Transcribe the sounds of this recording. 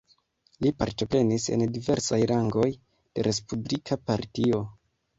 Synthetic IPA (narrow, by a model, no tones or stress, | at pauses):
lipaɾto̞pɾe̞nise̞̰ndive̞ɾsajɾaŋɡo̞j | d̥e̞ɾʔe̞spublikʰapaɾtio̞